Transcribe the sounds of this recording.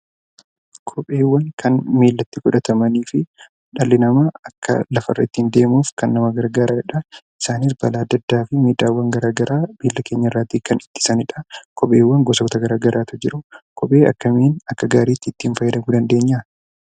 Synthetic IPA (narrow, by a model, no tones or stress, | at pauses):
kʰɔpʼe̞ːwːɐŋkʰɐnmeːlːɐt̪ːɪkʊᶑɐt̪ʰɐmɐniːfɪ | ᶑɐlːɪnɐmɐɐkːɐ̰lɐfɐ̰rːɐ̰ɪt̪ːɪɪnd̪e̞ːmuːfkɐnːɐmɐɡɐɾɡaːɾɐɐᶑɐ | ɪsaːnɪs̬bɐlaːd̪ːɐd̪ːaːfɪmeːd̪aːwːɐŋɡɐɾaːɡɐɾʔaːmeːlːɐke̞ːɲːɐɪrːaːt̪ːikɐnɪt̪ːɪ̥sɐnɪᶑɐkʰɔpʼe̞ːwːɐŋɡɔsɐkʊt̪ɐɡɐɾaːɡɐɾʔaːt̪ʊd͡ʒɪɾʊkʰɔpʼe̞ːɐ̰kːɐmeːnɐkːɐɡaːɾiːt̪ːɪt̪ːɪːnfɐjːɐd̪ɐmuːd̪ɐnd̪e̞ːɲːɐ